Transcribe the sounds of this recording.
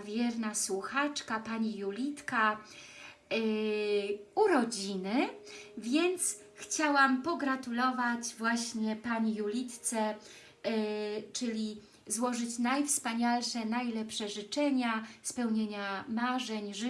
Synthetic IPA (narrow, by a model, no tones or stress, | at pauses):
vʲjɛɾnaswuxat͡ʂkapaɲijulʲit̪ka | uɾɔd͡ʑinɘvʲjɛnt̪s | xt͡ɕawampɔɡɾat̪ulɔvat͡ɕvwaɕɲɛpaɲijulʲit̪t̪sɛ | t͡ʂɘlʲi | zwɔʐɘt͡ɕnajfspaɲalʂɛnajlɛpʂɛʐɘt͡ʂɛɲaspɛwɲeɲamaʐɛɲʐ